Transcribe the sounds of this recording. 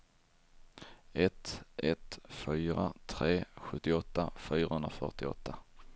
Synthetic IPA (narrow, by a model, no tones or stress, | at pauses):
ɛt̪ʔɛt̪fyːɾat̪ʰɾeːɧɵt̪ːɪɔt̪ːafyːɾahɵnɾa̰fœ̰ʈɪɔ̰t̪ʰːa